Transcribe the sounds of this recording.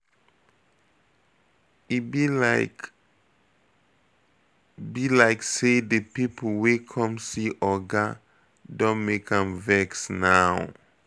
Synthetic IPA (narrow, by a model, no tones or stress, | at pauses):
ibilaɪk | bilaɪksedəpipʰl̩wekʰɔ̃msiʔɔɡa | dɔ̃nmekʰãmvɛksnaw